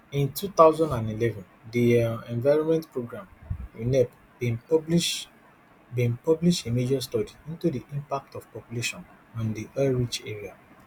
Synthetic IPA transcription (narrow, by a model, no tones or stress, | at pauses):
ĩntut̪aʊzɔ̃ndãndilɛvɔ̃ndiɛ̃nvaɪɹɔ̃nmɛ̃ntpɹoɡɹãminɛp | bĩbliʃ | bĩnpɔbliʃtemed͡ʒɔstɔdiĩntudiʔĩmpak̚tɔv̥pɔpjuleʃɔ̃n | ɔ̃ndiʔaɹit͡ʃeɹia